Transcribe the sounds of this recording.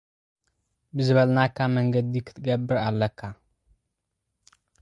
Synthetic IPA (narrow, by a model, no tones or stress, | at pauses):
bɨzɨβɐlnakʰːamɐŋɡɐd̪ikʰɨ̥t̪ʰɡɐbːɨɾalːɐkʰːa